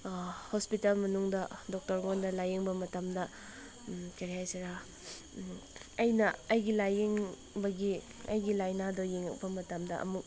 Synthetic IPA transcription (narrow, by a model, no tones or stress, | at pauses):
hospitalmɐnuŋdɐdok̚tɐɾŋondɐlajeŋbɐmɐtɐmdɐ | keɾiɦajsɐɾa | ɐjnɐːjɡilajiŋ | bɐɡi | ɐ̰jɡilajnadojiŋɐk̚bɐmɐtɐmdɐʔɐ̰muk̚